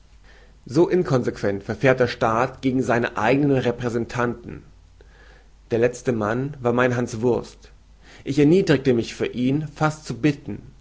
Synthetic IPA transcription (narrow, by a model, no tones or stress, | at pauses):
zoːʔɪnkʰɔnzekv̥ɛntfɛɐfeːɐt̚d̥eːɐʃtaːtɡ̥eːɡŋ̩zaɪnəʔa̰ɪɡənənʁɛpʁ̥ɛzɛntʰantn̩ | d̥eːɐlɛt͡stəmanvaːɐmaɪnɦansv̥ʊɐst | ʔɪçɛɐniːdʁɪk̚təmɪçfyːɐʔiːnfastt͡subɪtn̩